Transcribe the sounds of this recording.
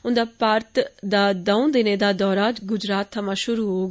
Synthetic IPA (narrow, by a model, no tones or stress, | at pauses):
ʊnd̪aːpaːɾt̪d̪aːd̪ãũːd̪ɪneːd̪aːd̪ɔːɾaːd͡ʒɡʊd͡ʒɾaːt̪̚ʰːəmãːʃʊɾuːɦoː